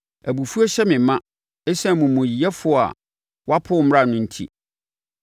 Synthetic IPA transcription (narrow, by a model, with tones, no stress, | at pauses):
æ˨bu˨fu˦ɔ˦ɕɛ˦mɪ̃˨mã˦ | ɛ˦sɛ̃˦˨mũ˨mʊ̃˨ji˨jɛ˦fʊ˨˦˨a̰˨ | wa˦pʰʊ˦m̩˦ɾa˦˨nʊ̃˦n̩˦tʰḭ˦